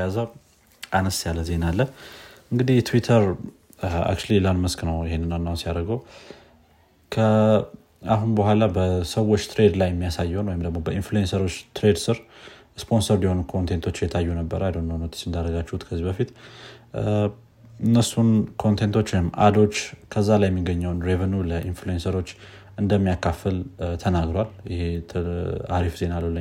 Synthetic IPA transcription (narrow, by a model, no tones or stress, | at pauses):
jazəw | ʔanəsjalːəze̞nalːəʔɨŋɡɨd̪ihjɛt̪ʰwit̪ʰəɾ | a̰kt͡ʃulilanməsknəwjɪhenːɨnanːawsijaɾəɡəw | kʰə | aɦunbəhʷalabəsəwːo̞t͡ʃːt̪ʰɾe̞d̪lajɛmːijasajːonwɔjɪmd̪əɡmo̞bəinfluensəɾo̞t͡ʃːt̪ʰɾe̞d̪sɨɾ | spʰo̞nsəɾdiho̞nukʰo̞nt̪ʰe̞nt̪ʰo̞t͡ʃːjɛt̪ʰajːunəbːəɾajd̪onːonot̪ʰe̥sɨnd̪aɾəɡat͡ʃːɛhut̪kʰəzːibəfit̪ | ɨnːəsunkʰo̞nt̪ʰe̞nt̪ʰo̞t͡ʃːwɔjɪmːa̰d̪o̞t͡ʃːkʰəzːalajːɛmːiɡəɲːəwnɾe̞vənuləʔinfluensəɾo̞t͡ʃː | ɨnd̪əmːijakʰːafəlt̪ʰənaɡɾaljɪheaɾifze̞naləlːə